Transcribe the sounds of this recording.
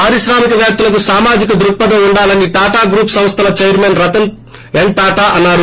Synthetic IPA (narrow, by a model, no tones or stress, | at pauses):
aːɾiʃɾaːmikɐʋjaːp̚t̪ulɐk̬usaːmaːd͡ʒikɐd̪ɾuk̚pːɐd̪ɐuɳɖaːlɐnːiʈaːʈaːɡɾuːpsɐ̃m̃st̪ʰɐlɐt͡ʃejɐɾmenɾɐt̪ɐn | eɳʈaːʈaːʔɐnːaːɾu